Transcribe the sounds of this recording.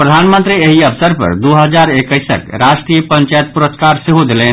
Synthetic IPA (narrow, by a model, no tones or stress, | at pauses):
pɾəd̪ʱanmə̃nt̪ɾieɦiəpʰsəɾpə̰ɾd̪uɦəd͡ʒaɾekəjsə̰kɾasʈɾijəpəɲt͡ʃajət̪̚puɾəskaɾsiɦod̪elen